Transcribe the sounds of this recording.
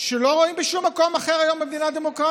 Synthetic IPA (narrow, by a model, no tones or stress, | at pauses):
ʃelo̞ʁo̞imbeʃumːako̞maχeʁajo̞mːemd̪inad̪emokʁa